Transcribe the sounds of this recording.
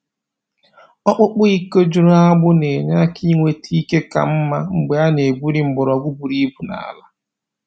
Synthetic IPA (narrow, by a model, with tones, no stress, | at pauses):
ɔ˦k͡pʊ˦k͡pʊ˦i˦ko˦d͡ʒu˦ɾa˦ɡ͡bʊ˦ne˨ɲa˦ki˦ŋʷe˦ti˦i˦ke˦ka̰˨m̩˦ma˦ŋ͡m̩˨ɡ͡be˨a˦ne˨bu˦ɾi˨ŋ͡m̩˨ɡ͡bʊ˨ɾɔ˨ɡʷu˦bu˨ɾi˦bu˨na̰˨la˦